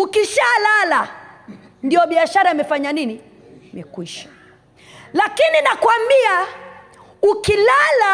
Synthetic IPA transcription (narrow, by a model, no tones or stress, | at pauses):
ukiʃalala | ndiɔɓiaʃaɾaimɛfaɲanini | mɛkwiʃḁ | lakininakwambia | ukilala